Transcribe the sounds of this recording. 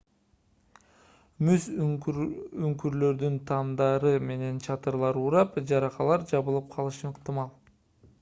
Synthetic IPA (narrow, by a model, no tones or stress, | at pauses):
mys | yŋkyɾlø̞ɾd̪ynt̪ʰɑmd̪ɑɾɯme̞ne̞nt͡ʃʰɑt̪ɯɾlˠɑɾuːɾɑpd͡ʒɑɾɑqɑlˠɑɾd͡ʒɑβɯlˠɯp̚qʰɑlˠɯʃɯəqt̪ɨmɑlˠ